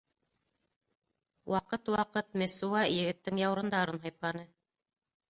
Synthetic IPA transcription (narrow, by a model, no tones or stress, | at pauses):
wʔɑqɤt̪wɑqɤt̪mesuɑjɘ̆ɡɘ̆t̪ːɘŋjɑwɾɤ̆nd̪ɑɾɤnɦɑjp̪ˠɑnɤ